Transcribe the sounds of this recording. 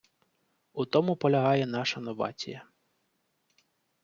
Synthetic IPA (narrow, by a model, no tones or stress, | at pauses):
ut̪ɔmʊpɔlʲɐɦɑjɛnɑʃɐnɔʋɑ̰t͡sʲḭjɐ